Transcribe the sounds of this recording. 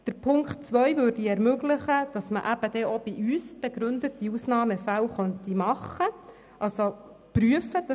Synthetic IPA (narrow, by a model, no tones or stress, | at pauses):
d̥əɾpʰʊŋkt̚t͡sʋœjʋøːɾdiɛɾmøɡlɪχəd̥ɑsməʔæb̥əd̥ɛʔob̥iʔyːsb̥eɡɾʉndətiusnɑːməfæwχœntimɑχə | ʔɑlso | pɾyəfəd̥ɑ